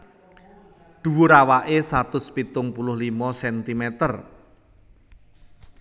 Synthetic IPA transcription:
d̪̥ṳwuɾawaʔesat̪ʊspit̪ʊŋpulʊhlimɔsɛnt̪imɛt̪ər

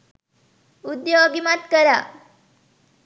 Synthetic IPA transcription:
ud̪joəɡimat̪kəɾa

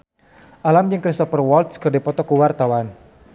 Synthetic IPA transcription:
ʔalamd͡ʒɨŋkɾist̪ɔfərwɔlt̪skɨrdɛpɔt̪ɔkuwart̪awan

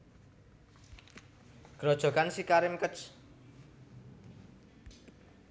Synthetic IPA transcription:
ɡ̥ɾɔd̥ʒ̥ɔ̤kansikaɾɪmkət͡ʃ

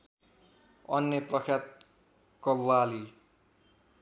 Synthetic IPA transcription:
ʌnjʌprʌkʰjat̪̚ | kʌbwali

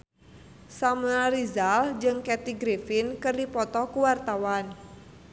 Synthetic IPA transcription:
samuaɾizald͡ʒɨŋkɛt̪iɡɾefɪnkərdipɔt̪ɔkuwart̪awan

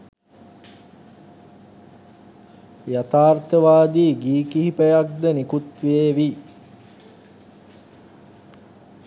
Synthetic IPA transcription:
jat̪aːrt̪əʋaːd̪iːɡiːkiɦipəjak̚d̪ənikut̪ʋeeːʋi

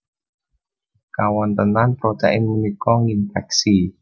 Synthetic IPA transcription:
kawɔnt̪ənanpɾot̪ɛʔɪŋmənikɔŋinfɛk̚si

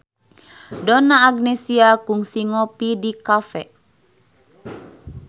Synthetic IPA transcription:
dɔnaːɡnɛsiakuŋsiŋɔpidikafɛ

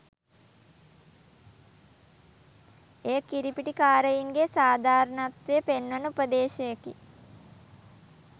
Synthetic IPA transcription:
eːkiɾipiʈikaːɾəjiŋɡesaːd̪ʱaːɾənat̪ʋeəpenʋənəupəd̪eːʃɐjəkḭ

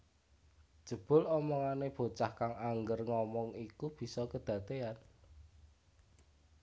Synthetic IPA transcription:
ʒ̥ə̤b̥ʊ̤lɔmɔŋaneb̥o̤t͡ʃahkaŋaŋɡərŋɔmɔŋikub̥i̤sɔkəd̪̥ä̤t̪ean

